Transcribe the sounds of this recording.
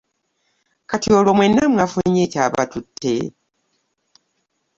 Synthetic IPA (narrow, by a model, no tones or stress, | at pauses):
katiolomwenːamwafuɲetaβa̰tutʰːḛ